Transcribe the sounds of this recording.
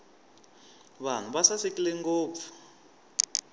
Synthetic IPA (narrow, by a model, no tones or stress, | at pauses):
βan̤uβasasekileŋɡoːpfu̥